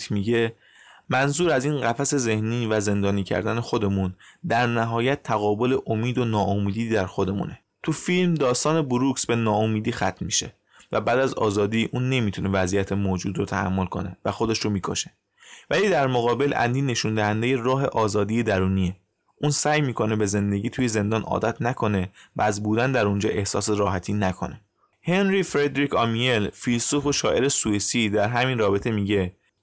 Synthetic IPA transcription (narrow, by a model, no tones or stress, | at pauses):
t̪ʰmiɟe̞ | mænzuːɾæziːnɢæfæse̞ze̞hniːvæze̞nd̪ɒːniːcʰæ̰ɾd̪æne̞xo̞d̪e̞mund̪æɾnæɦɒːjæt̪ʰːæɣɒːbo̞le̞ʔomiːd̪onɒːʔomiːd̪iːd̪æɾxod̪e̞mṵːne | t̪ʰufilmd̪ɒːst̪ɒːne̞buɾuksbe̞nɒːomiːd̪iːxæt̪ʰnmḭʃe̞̰ | væbæːd̪æzɒ̰ːzɒːd̪iːʔuːnːe̞mit̪ʰune̞væzijæt̪ʰemoːd͡ʒuːd̪ɾot̪ʰæhæ̰mːo̞lkʰo̞̰ne̞̰væxo̞d̪e̞ʃɾomiːkʰo̰ʃe̥ | væliːd̪æɾmoɣɒːbe̞lʔæ̰nd̪iːne̞ʃund̪æhænd̪eje̞rɒːɦe̞ʔɒːzɒːd̪ije̞d̪æɾuːnie | ʔunsæːjmiːkʰo̞ne̞be̞ze̞nd̪e̞ɟiːt̪ʰuːje̞ze̞nd̪ɒːnʔɒ̰ːd̪æt̪ʰnækʰo̞ne̞vææzbuːd̪ænd̪æɾund͡ʒɒ̰ːʔe̞hsɒ̰ːseɾɒːɦæt̪ʰiːnækʰo̞̰ne | he̞nɾifɾed̪ɾicʰɒmielfilsufoʃɒːʔeɾesuisid̪æɾɦæminrɒːbe̞t̪ʰe̞miːɟe̞